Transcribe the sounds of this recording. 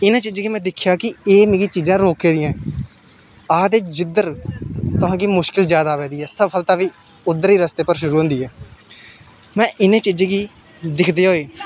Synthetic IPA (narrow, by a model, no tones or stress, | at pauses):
ɪnãːt͡ʃiːd͡ʒaːɡiːmɛ̃ːd̪ɪkʰjaːkɪeːmeːɡiːt͡ʃiːd͡ʒãːɾoːkeːd̪ɪjãː | aːd̪eːd͡ʒɪd̪əɾt̪ʊɦãːkiːmʊʃkɪld͡ʒjaːd̪aːʋɛːd̪iːɦɛːsəbfəlt̪aːʋiː | ʊd̪ːəɾiːɾəst̪eːpəɾʃʊɾuːɦõnd̪iːɦɛː | mɛ̃ːʔɪnẽːt͡ʃiːd͡ʒãːɡiː | d̪ɪkʰd̪eːɦoːeː